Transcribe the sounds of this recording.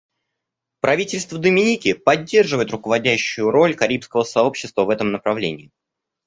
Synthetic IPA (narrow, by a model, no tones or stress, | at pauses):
pɾɐvʲitʲɪlʲst̪vəd̪əmʲɪnʲikʲɪpɐdʲːe̞rʐɨvəɪt̪rʊkəvɐdʲæɕːʊjʊɾo̞lʲkɐɾʲipskəvəsɐo̞pɕːɪst̪vəvɛt̪əmnəpɾɐvlʲenʲɪː